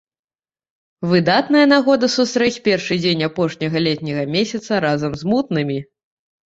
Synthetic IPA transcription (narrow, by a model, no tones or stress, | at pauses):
vɨd̪at̪nɐjɐnaɣɔd̪ɐsust̪ɾɛt͡sʲpʲɛrʂɨd͡zʲenʲapɔʂnʲɐɣɐlʲɛt̪̚ʲnʲɐɣɐmʲesʲɐt̪sɐɾazɐmzmut̪nɨmʲi